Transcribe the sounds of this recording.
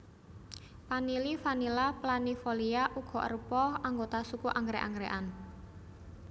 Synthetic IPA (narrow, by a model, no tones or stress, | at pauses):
panilifanilaplanifoliaʔuɡ̥ɔ̤ʔə̰rpɔhaŋɡot̪asukuʔaŋɡɾɛʔa̰ŋɡɾeʔan